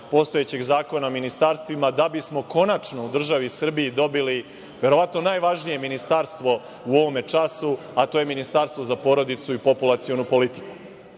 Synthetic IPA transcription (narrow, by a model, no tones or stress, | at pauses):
po̞st̪o̞jet͡ɕe̞ɡzaːko̞naominist̪aɾst̪ʋimad̪abismo̞ko̞nat͡ʂno̞ud̪r̩ʒaʋisr̩biːd̪o̞bili | ʋe̞ɾo̞ʋat̪no̞naːjʋaʒnije̞minist̪aɾst̪ʋo̞ | uo̞ʋo̞me̞t͡ʂasu | at̪oːje̞minist̪aɾst̪ʋo̞zapo̞ːɾo̞d̪it̪suipo̞pulˠat̪sio̞nupo̞lit̪i̥ku̥